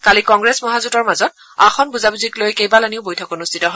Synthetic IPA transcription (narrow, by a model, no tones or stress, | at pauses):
kalikɔŋɡɹesmɔɦazutɔɹmazɔt̚ | a̰xʰɔnbuzabuziklojkejbalaniʊbojtʰɔkonustʰitɔɦɔ